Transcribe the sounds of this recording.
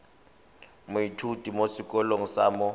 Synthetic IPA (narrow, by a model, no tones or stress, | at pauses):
mʊitʰud̥ʱʼimosikʼɔloŋ̩saːmɔ